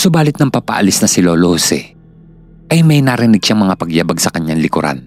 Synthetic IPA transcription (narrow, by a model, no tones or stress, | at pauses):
sʊbaːlɪt̪nɐŋpapɐ̰ʔɐ̰lɪsnɐsɪloːlohosɛ̰ | ʔɐjmɐjnaːɾɪnɪɡ̚ʃaŋmɐŋapɐɡjaːbɐɡsɐkɐɲːaŋlɪkʊ̰ɾʔa̰n